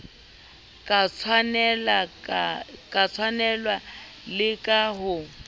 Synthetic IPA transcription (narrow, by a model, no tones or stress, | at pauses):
kʼat͡sʰanɛla | kʼat͡sʰwanɛlwa | lɪkʼaɦʊ